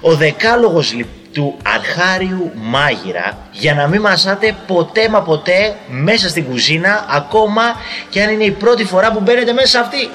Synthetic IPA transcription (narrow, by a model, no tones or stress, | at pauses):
o̞ðe̞kɐlo̞ɣo̞zli | t̪uɐ̰ɾxɐɾiumɐʝḭɾɐ̰ | ʝɐnɐmimɐsɐt̪e̞po̞t̪e̞mɐpo̞t̪e̞me̞sɐst̪iŋɡuzinɐːko̞mɐceɐnine̞ipɾo̞t̪ifo̞ɾɐpube̞ne̞t̪e̞me̞sɐsɐft̪i